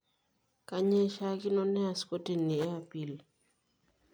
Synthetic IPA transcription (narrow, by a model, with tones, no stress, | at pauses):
ka˦ɲɛ˦ʃa˦kɪ˦nɔ˦nɛ˦a˨sko˦ti˨nːi˨ɛ˦a˨pi˨l